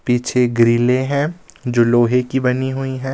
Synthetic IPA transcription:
piːt͡ʃʰeɡɾiːlẽɦɛ̃ːd͡ʒoːloːɦekibɐniɦʊiɦɛ̃ː

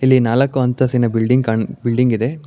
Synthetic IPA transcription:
ilːinaːlɐkːuɐnt̪ʰɐsinːɐbilɖiŋɡkɐɳbilɖiŋɡid̪e̞

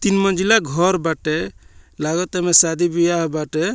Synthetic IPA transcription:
t̪inmənd͡ʒilaɡʱɔɾbaʈelaɡɔt̪ɛmesad̪ʱibijaɦbaʈe

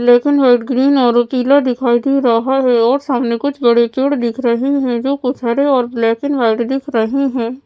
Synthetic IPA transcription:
blɛːkɪnʋaːɪʈɡɾiːnɔːɾot̪iːlad̪ɪkʰaːid̪ʱiɾɐɦaɦɛɔːɾsaːmnekʊt͡ʃʰbɐɽet̪eːɽd̪ɪkʰɾɐɦiɦɛ̃d͡ʒoːkʊt͡ʃʰaːɾeɔːɾblɛːkɪnʋaːɪʈd̪ɪkʰɾɐɦiɦɛ̃ː

